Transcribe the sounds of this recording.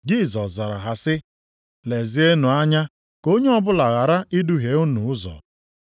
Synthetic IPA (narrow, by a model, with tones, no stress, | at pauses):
d͡ʒi˦˨zɔ˨sza˨ɾa̰˨ɦa˨sɪ˦ | le˨zi˦e˦nu˨a˦ɲa˦ | ko˦ɲe˦ɔ˦bʊ˦la˨ɣa˨ɾa˦ʔɪ˦du˦ɦe˨˦u˦nu˨ʊ˦zɔ̰˨